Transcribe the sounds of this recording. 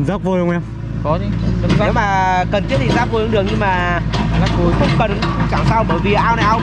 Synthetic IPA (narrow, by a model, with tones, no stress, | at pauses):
zaː˦˥k͡p̚vo˧˩jə˧wŋ͡mʔɛ˧m | kɔ˨˦zi˨˦˧ə˧˩za˧˨˦wmaː˨˩kə˨˩nt̪ʰi˦˥ət̪ʰi˨˩zaː˦˥p̚vo˧jhɗɨ˨˩əŋ̚ɲɨ˧ŋmaː˨˩˨laː˨˩kku˨˦jkə˨˦˥ŋ͡mkə˨˩n˨˦˧ŋ͡mt͡ɕaː˧˩ŋsaː˧wɓəː˧˩jvi˨˩ʔaː˧wna˨˩˨ʔaː˧w